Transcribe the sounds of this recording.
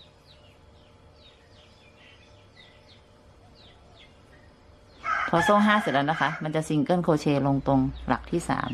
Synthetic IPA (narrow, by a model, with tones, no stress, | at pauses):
pʰɔː˧soː˥˩ŋɦaː˥˩si˨˩ʔa˧˥na˦˥kʰa˦˥ma˧nt͡ɕa˨˩ʔsi˧ŋkɤ˥˩˨nkʰoː˧t͡ɕʰeː˧lo˧ŋt̪o˧ŋla̰˨˩k̚t̪ʰiː˥˩sa̰ː˩˦m